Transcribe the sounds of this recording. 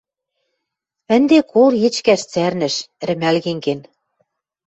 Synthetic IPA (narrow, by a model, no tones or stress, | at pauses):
ɘ̆nd̪ekʰoljĕt͡ɕkæʃt͡særnɘ̆ʃ̆ɾɘ̆mælɣeŋken